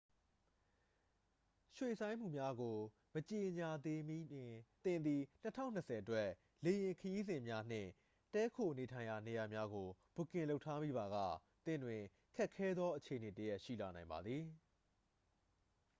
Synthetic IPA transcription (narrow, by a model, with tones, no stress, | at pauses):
ʃwe˨sʰã˦ɪ̃m̥ṵ˦˨mja˦ɡo˨ | mət͡ɕe˨ɲa˨d̪e˦m˦t̪ɪ̃˨nd̪i˨n̥ə˦tʰã̰˦˨ʊ̃n̥ːəsʰɛ˨ʔətwɛ˦ | le˨jɪ̃˨ŋkʰəji˦zɪ̃˨mja˦n̥ɪ̰̃˦˨ | tɛ˦kʰo˨ne˨tʰã˨ɪ̃ja˨ne˨ja˨mja˦ɡo˨b̥u˨kɪ̃˨lo˦ʊʔtʰːa˦mi˦ba˨ɣä̰˦˨t̪ɪ̰̃˦˨ndwɪ̃˨ | kʰɛ˦ʔkʰːɛ˦d̪ðwɔ˦ʔət͡ɕʰe˨əne˨təjɛ˦ʔʃḭ˦˨la˨nã˨ɪ̃mba˨d̪ði˨